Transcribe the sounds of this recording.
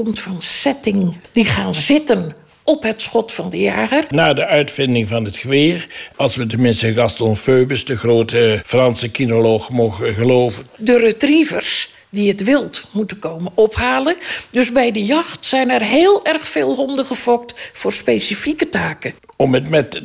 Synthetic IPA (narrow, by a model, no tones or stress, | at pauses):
kɔmtfɑnsɛtɪŋd̥iχaːnzɪtən | ʔɔpɦətsxɔtfɑndəja̰ːɣərnaːdəʔœɥtfɪndɪŋvɑnətxəʋɪːrɑlˠsʋətəmɪnstəɡɑstrɔmføːbəsdəxroːtəfrɑnsəkinoloxmoɣəɣəlowvəndərətrivərs | diətʋɪlˠtmutənkowmənɔphaːləndøsbɛjdəjɑxtsɛjnɛrɦeːlˠɛrxfeːlˠɦɔndəχəfɔk̚tfʊːrspejsifikətaːkəɔmətmɛt